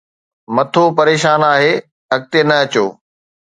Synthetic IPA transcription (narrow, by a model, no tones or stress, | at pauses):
mɐt̪ʰopɐɾeːʃaːnaːɦeː | ɦɐk̚t̪enɐɐt͡ɕoː